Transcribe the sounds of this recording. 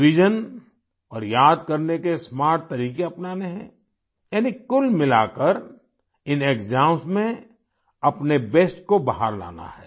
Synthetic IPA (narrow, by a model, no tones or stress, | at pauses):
ʋɪd͡ʒən | ɔːɾjaːd̪kɐɾnekesmaːɾʈ̪̚ːɐɾiːkeɐpnaːneɦɛ̰̃ | jaːnikʊlmɪlaːkəɾ | ɪneːkzãːmsmẽ | ɐpnebeːsʈkobaɦaɾla̰ːna̰ɦɛː